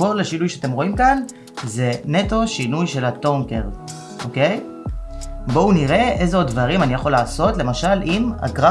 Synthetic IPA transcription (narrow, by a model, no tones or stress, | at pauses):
o̞laʃinujʃeat̪e̞mʁo̞imkan | ze̞ne̞t̪o̞ʃinujʃe̞latoŋke̞ʁ | ʔo̞kej | bo̞uniʁe̞ʔe̞zeod̪̚dvaʁimanijaχo̞laːso̞tle̞maʃalʔima̰ɡʁa